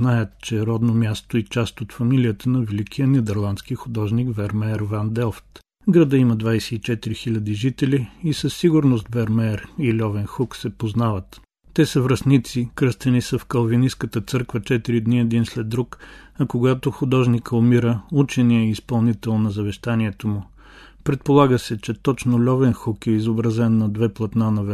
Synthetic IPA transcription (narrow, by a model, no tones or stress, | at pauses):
najət̪t͡ʃɛɾɔd̪nomʲjast̪oit͡ʃast̪ot̪fɐmilijət̪ənɐvɛlikijənɛd̪ɛɾlˠanskixʊd̪ɔʒnikvɛɾmɛɾvand̪ɛlˠft̪ | vɡɾɐd̪əimɐd̪vajsɛ̥it͡ʃɛt̪iɾixilʲɐd̪iʒit̪ɛlʲiisəsːiɡʊɾnost̪vɛɾmɛɾilʲɔvɛnxuksɛpoznavət̪ː | ɛsəvɾɐsnit̪sikɾəst̪ɛnisəfkɐlˠviniskət̪ət̪sɤɾkvət͡ʃɛt̪iɾid̪niɛd̪inslɛd̪ːɾukɐkoɡat̪oxʊd̪ɔʒnikəʊmiɾəut͡ʃɛniəispɐlˠnit̪ɛlˠnɐzɐvɛʃt̪aniɛt̪omʊ | pɾɛt̪̚polˠaɡəsɛt͡ʃɛt̪ɔt͡ʃnolʲɔvɛnxukɛizobɾɐzɛnːɐd̪vɛplˠɐt̪nanɐv